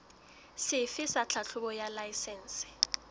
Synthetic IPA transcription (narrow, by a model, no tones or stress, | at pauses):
sɪfɪsat͡ɬʰat͡ɬʰʊbɔjalaisɛːn̩sɪ̥